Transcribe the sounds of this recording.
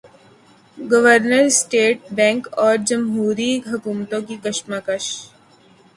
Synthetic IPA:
ɡɐʋəɾnəɾsʈeːʈ̚bɛ̃ːŋkɔːɾd͡ʒɐmɦuːɾiɦɐkuːmt̪õkikɐʃmaːkəʃ

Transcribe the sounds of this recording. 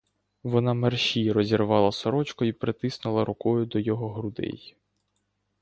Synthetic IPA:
ʋɔnɑmerʃʲiɾɔzʲirʋɑlˠɐsɔɾɔt͡ʃkɔipɾet̪ɪsnɪlˠɐɾʊkɔjʊd̪ɔjɔɦɔɦɾʊd̪ɛ̰j

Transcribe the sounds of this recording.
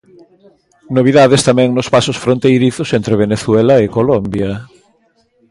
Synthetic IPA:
noβiðaðest̪amɛ̃ŋnospasosfɾõnt̪ejɾiθosent̪ɾeβeneθwɛlaekolombjɐ

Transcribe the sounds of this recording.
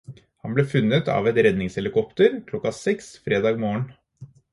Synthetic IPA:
hɑnbleːfʉnːət̪ɑ̰ːʋɛt̪ɾɛd̪nɪŋshɛlɪkɔpt̪əɾkʰlɔkːɑsɛksfɾeːd̪ɑːɡmoːəɳ

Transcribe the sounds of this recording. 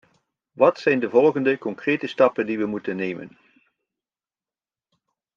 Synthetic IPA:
ʋɑtsɛjndəvɔlˠχəndəkɔŋkrejtəstɑpəndiʋəmutənːejmə̰n

